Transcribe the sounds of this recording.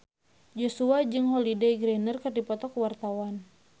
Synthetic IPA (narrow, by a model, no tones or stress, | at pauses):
d͡ʒosuad͡ʒɨŋɦɔlidɛɡɾɛnərkɨrdipɔt̪ɔkuwart̪awan